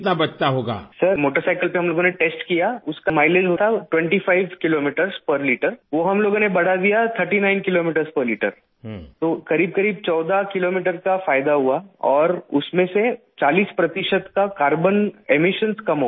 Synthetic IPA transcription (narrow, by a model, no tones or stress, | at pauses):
t̪nabɐt͡ʃt̪aɦoːɡa̰ːsɐɾmoːʈəɾsaɪkəlpeɦɐmloːɡõneʈeːsʈkijaʊskamaːɪleːd͡ʒɦoːt̪ʰaʈwɛ̃ɳʈifʰaɪʋkɪloːmiːʈəɾzpɐɾliːʈəɾʋoːɦɐmloːɡõnebɐɽ̤ad̪ijat̪ʰəɾʈinaːɪnkɪloːmiːʈəɾspəɾliːʈə̰ɾ | t̪oːkɐɾiːb̚kɐɾiːb̚t͡ʃɔːd̪akɪloːmiːʈəɾkafaːɪd̪aɦuaɔːɾʊsmẽse | t͡ʃaːliːspɾɐt̪ɪʃət̪kakaːɾbənemɪʃənskɐmɦo